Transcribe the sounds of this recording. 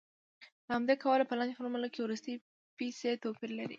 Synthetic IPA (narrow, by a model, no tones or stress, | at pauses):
ləhamd̪akawalapəland͡ʒ̪foɾmalakewɾust̪əj | piset̪opiɾlaɾḭ